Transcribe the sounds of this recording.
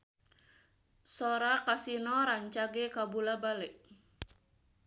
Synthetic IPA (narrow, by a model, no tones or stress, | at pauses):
sɔɾakasinɔɾaɲt͡ʃaɡekabulabalɛʔ